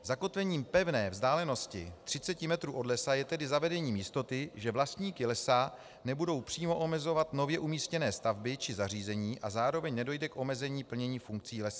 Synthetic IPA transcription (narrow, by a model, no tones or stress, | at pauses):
zako̞t̪vɛɲiːmpɛvnɛːvzdaːlɛno̞scɪt̪r̝̥ɪt͡sɛcɪmɛt̪ɾuːʔo̞dlɛsajɛt̪ɛdɪzavɛdɛɲiːmjɪst̪o̞t̪ɪʒɛvlast̪ɲiːkɪlɛsa | nɛbudo̞wpr̥iːmo̞ʔo̞mɛzo̞vat̪novjɛʔumiːscɛnɛːst̪avbɪt͡ʃɪzar̝iːzɛɲiːʔazaːɾo̞vɛɲnɛdo̞jdɛkʔo̞mɛzɛɲiːpl̩ɲɛɲiːfuŋk̚t͡siːlɛsa